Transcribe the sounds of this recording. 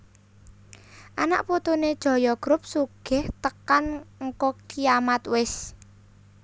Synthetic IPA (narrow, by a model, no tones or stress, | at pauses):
ʔana̰ʔpot̪oned̥ʒ̥ɔ̤jɔɡ̥ɾʊp̚suɡ̥ɪ̤ht̪əkanŋ̩kɔkijamat̪wɪs